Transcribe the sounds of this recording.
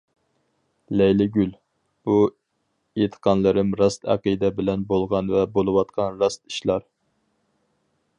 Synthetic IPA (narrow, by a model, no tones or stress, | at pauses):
lɛjlɪɡʲyl | b̥u | et̪ʰə̥qʰɑnlˠɨɾɨmɾɑst̪æ̰qijd̪ɛbɪlɛnbolˠʁɑnvɛbolˠɨwɑt̪qʰɑnɾɑst̪i̥ʃlˠɑɾ